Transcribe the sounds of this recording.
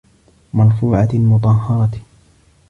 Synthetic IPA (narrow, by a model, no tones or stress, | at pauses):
mɑɾfuːʕalmʊt̪̬ˤɑɦːɑɾˤɑt